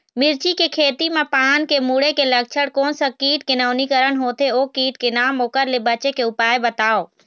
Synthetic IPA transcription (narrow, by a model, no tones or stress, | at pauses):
mɪɾt͡ʃikekʰeːt̪imẽpaːnkemuːɽekelɐk̚t͡ʃʰəɽkoːnsakiːt̪̚kɪnaːʊnikəɾəɳɦoːt̪eoːkiːt̪̚kenaːmoːkəɾlebɐt͡ʃekeʊpaːebɐt̪aːoː